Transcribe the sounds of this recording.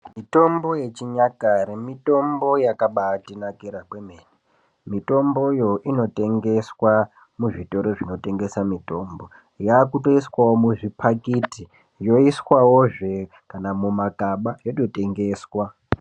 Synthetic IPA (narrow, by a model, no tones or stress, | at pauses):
mito̞mbo̞je̞t͡ʃiɲakaɾimito̞mbo̞jakaɓatinakiɾakwemeːni | mito̞mbo̞jo̞ʔino̞te̞ŋɡe̞swa | muʐito̞ɾo̞ʐino̞te̞ŋɡe̞samito̞mbo̞ | jaːkuto̞iswawomuʐipʰakiti | jo̞iswawoʐe̞ | kanamumakaɓajoto̞te̞ŋɡe̞ːswa